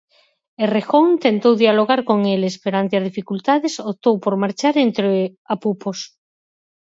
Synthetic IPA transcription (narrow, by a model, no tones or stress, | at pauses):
erexoŋt̪ent̪owðjaloɣaɾkoŋelespeɾant̪eazð̞ifikult̪aðesop̚t̪owpoɾmaɾt͡ʃaɾent̪ɾeapupos